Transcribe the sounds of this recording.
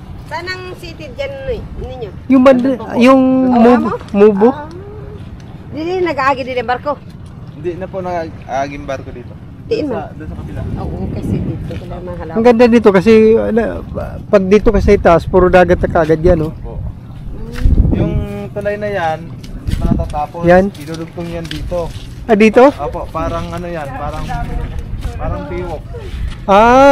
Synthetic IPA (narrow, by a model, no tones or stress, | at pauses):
baːnɐŋsiːt̪ɪt̪̚d͡ʒannɪɲːojʊŋbɐnd̪jʊŋmubmuːbo | d̪ɪdinɐɡaaːɡɪd̪ɪnɐmbaɾko | hɪnd̪ɪnɐponɐɡɡʔaːɡɪŋbaɾkod̪iːt̪o | t̪ɪad̪ʊnsɐkɐbɪlaoʔokɐsɛd̪iːt̪ok̪ɐlɐɡmahɐlɐŋɡɐnd̪ad̪ɪt̪o̞kɐs̬ɛnɐpɐɡ̚d̪iːt̪okɐsɐɪt̪aʔspuːɾod̪aːɡɐt̪̚ːɐkaʔɐɡad̪̚janopo | jʊŋt̪ʊlajnɐjan | mɐkat̪aːt̪aːpojanɪnuːd̪ʊɡ̚t̪oŋjand̪iːt̪o | ʔad̪iːt̪o̞ʔoːpoʔpaːɾɐŋʔɐnojanpaːɾɐŋanpaːɾɐŋp̪iːwok̚ʔaː